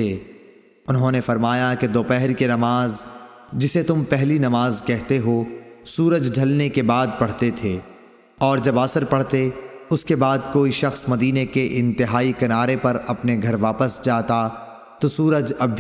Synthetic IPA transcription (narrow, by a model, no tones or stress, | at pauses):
eː | ʊnɦõnefɐɾmaːjaked̪oːpɛɦɾkenɐmaːz | d͡ʒɪset̪ʊmpɛɦlinɐmaːzkɛɦt̪eɦosuːɾəd͡ʒɖʱɐlnekebaːd̪̚pɐɽ̤t̪et̪ʰeː | ɔːɾd͡ʒɐbaːsəɾpɐɽt̪eʊskebaːd̪koːiʃɐxsmɐd̪iːnekeʔɪ̃nt̪ɪɦaːikɐnaːɾepɐɾɐpneɡʱɐɾʋaːpəsd͡ʒaːt̪a | t̪osuːɾəd͡ʒɐbʱ